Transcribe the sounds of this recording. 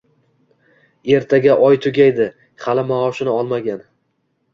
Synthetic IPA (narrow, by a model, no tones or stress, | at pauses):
e̞ɾt̪ʰaɡʲaʔɒjt̪ʰʊɡʲajd̪ɪ | χalɪmaɒʃɪnɪɒlˠmaɡʲan